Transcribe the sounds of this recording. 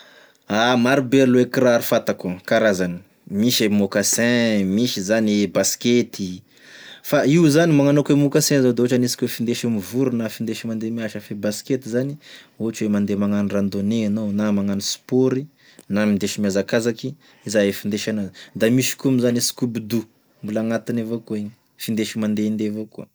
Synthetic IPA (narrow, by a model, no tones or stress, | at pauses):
amaɾibeɾluekiɾaɾifat̪akukaɾazani̥ | miʃemokasɛ̃miʃizanibasket̪i | faiwzanimaŋanokwemokasɛ̃zod̪eoʈ͡ʂanisi̥kʲwefind̪eʃimivuɾunafind̪eʃimand̪emiaʃafebasket̪izani | oɦʈ͡ʂwemand̪emaŋanirand̪oneanonamaŋanispoɾi | namind̪eʃimiazakazaki | izaefind̪eʃanod̪amiʃi̥kumizanisi̥kubid̪u | mbulaŋat̪inevokuiɲi | find̪eʃimand̪end̪evokuə